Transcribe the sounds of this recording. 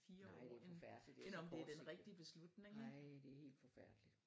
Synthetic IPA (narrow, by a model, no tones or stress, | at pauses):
fiːɐɒ̰ːen̥enɒ̽md̥e̝æɐd̥enʁɛɡ̥d̥iəb̥e̝slud̥ne̝ŋd̥ehe̝̰ːld̥fɒfæɐ̰d̥lid̥